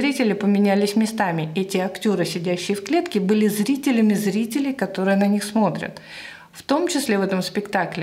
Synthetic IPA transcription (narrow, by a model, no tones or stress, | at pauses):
ɾʲitʲɪlʲɪpəmʲɪnʲælʲɪsʲmʲɪst̪amʲɪɛtʲɪɐktʲo̞ɾɨsʲɪdʲæɕːɪjɪfklʲe̞t̪kʲɪbɨlʲɪzɾʲitʲɪlʲɪmʲɪzɾʲitʲɪlʲɪjkɐt̪o̞ɾɨjənɐnʲixsmo̞t̪ɾʲə̰t̪ | ft̪o̞mt͡ɕɪsʲlʲe̞vɛt̪əmspʲɪkt̪aklʲɪ